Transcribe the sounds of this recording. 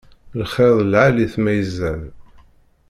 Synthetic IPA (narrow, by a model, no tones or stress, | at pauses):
lχeðˤlʕaliθmæjəzːæn